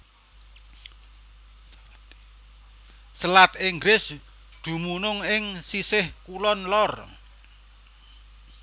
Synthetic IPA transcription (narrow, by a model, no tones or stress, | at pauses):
səlat̪ɪŋɡɾɪs | d̪̥ṳmunʊŋɪŋsisɪhkulɔnlɔr